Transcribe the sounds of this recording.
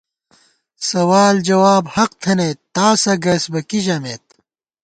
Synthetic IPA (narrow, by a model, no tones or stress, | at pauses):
sɐwaːld͡ʑɐwaːbhɐq̚t̪ʰɐnet̪ːaːsɐɡɐsbɐkiʑɐmet̪̚